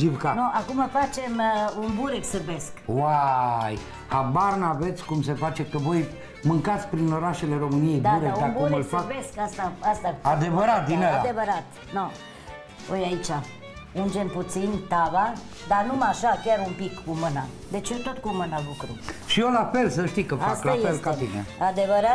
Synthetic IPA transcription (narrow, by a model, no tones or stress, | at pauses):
d͡ʒibkanoʔakuməfat͡ʃe̞munbuɾeksɨrbe̞skwaj | habarnave̞t̪sʲkumse̞fat͡ʃe̞kəvo̞j | mɨŋkat̪sʲpɾino̞ɾaʃe̞le̞ɾo̞mɨnijejd̪auɾekd̪amkbuɾmɨlabeskast̪aast̪aad̪e̞vəɾat̪̚d̪inoajad̪evəɾat̪ | no | ojait͡ʃa | und͡ʒenput̪sint̪ava | d̪anumaʃakʲaɾumpikːumɨna | d̪e̞t͡ʃjot̪ot̪kumɨnalukɾuʃio̞lafe̞ls̬əʃt̪ikəfastlajelkat̪inḛad̪evəɾa